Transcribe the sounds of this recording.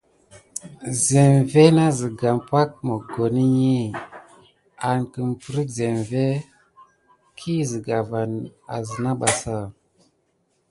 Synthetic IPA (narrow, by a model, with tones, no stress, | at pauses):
ze˨mve˦na˦zi˨ɡa˨mpa˦k̚mə˨ɡo˨ni˦ɲi˦ | a˨nkə˨mpu˨ɾi˦kze˨mve˦ | kʰi˦zi˨ɡa˨va˨na̰˨zə˨na˦ɓa˨sa˦